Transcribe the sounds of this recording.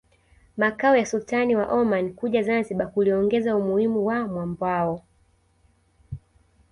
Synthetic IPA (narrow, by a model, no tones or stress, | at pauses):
makaɔjasultaniwaʔɔmankuʄazanziɓakuliɔŋɡɛzaumuhimuwamwambwaɔ